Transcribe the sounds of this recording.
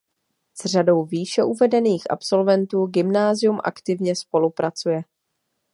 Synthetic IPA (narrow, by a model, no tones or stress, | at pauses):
z̥r̝ado̞wviːʃɛʔuvɛdɛniːxʔa̰pso̞lvɛnt̪uːɡɪmnaːzɪjumʔa̰kt̪ɪvɲɛspo̞lupɾat͡sujɛ